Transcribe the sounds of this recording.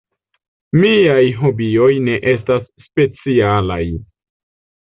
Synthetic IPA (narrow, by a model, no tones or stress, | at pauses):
miajɦobio̞jne̞ʔe̞stasːpe̞t͡siala̰j